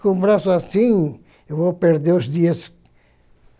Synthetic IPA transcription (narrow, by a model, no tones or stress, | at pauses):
kõũbɾasʊasĩ | ewvowpeɾd̪eɾʊzd̪iɐs